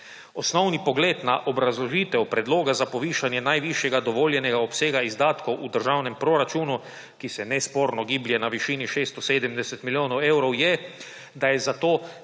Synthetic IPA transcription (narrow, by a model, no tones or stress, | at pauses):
ɔsnɔwnipɔɡleːd̪naʔobɾazlɔʒiːt̪ɛupɾɛd̪loːɡazapɔʋiːʃanjɛnajʋiʃjɛɡad̪ɔʋoːljɛnɛɡaɔpseːɡaizd̪aːt̪kowʔud̪əɾʒawnɛmpɾoɾat͡ʃuːnu | kisɛnɛspoːɾnɔɡiːbljɛnaʋiʃiːniʃeːst̪ɔseːd̪ɛmd̪ɛsɛt̪miljoːnɔwewɾɔwjɛ | d̪ajɛzat̪oː